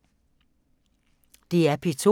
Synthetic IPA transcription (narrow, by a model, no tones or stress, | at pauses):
d̥e̝æɐpʰet͡sʰo